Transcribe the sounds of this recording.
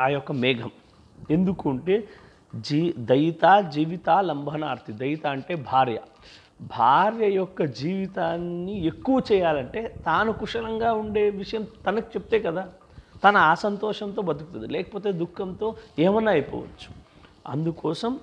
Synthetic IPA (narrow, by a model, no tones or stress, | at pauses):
aːjɔkːɐmɛːɡʱɐm | e̞nd̪ukuːɳʈeː | d͡ʒid̪ɐjt̪aːd͡ʒiːʋit̪aːlɐmbʱɐnaːɾt̪ʰid̪ɐjt̪aːɐɳʈe̞ːbʱaːɾjɐ̰ | bʱaːɾjɐjɔkːɐd͡ʒiːʋit̪aːnːie̞kːuʋɐt͡ʃɛːjaːlɐɳʈe̞ːt̪aːnukuʂɐlɐŋɡaːuɳɖe̞ːʋiʂɐjɐmt̪ɐnɐki̥t͡ʃe̞p̚t̪eːkɐd̪aː | t̪ɐnɐaːsɐnt̪ɔːʂɐnt̪̬o̞ːbɐd̪ukut̪und̪ilɛːkɐ̥po̞ːt̪̬e̞ːd̪ukʰːɐnt̪o̞ːɛːmɐnːaːjpɔ̰ːʋɐ̰t͡ʃːu̥ | ɐ̰nd̪ukɔːsɐm